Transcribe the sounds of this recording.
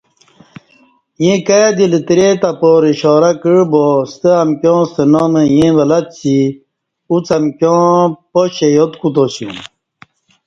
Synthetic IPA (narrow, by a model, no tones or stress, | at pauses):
jẽkad̪ilt̪iɾet̪apoɾiɕɔːɾakiɻbost̪əɐmkʲjɔ̃ːst̪ənɔməjẽʋɐlɐt̪t͡ɕi | ut͡sɐmkʲjõːpoɕejot̪kut̪oɕṵ̃